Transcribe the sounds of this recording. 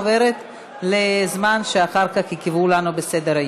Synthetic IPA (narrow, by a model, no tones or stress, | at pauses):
ve̞ʁet | le̞zmanʃeaχaʁkaχhikevulanubesed̪e̞ʁaj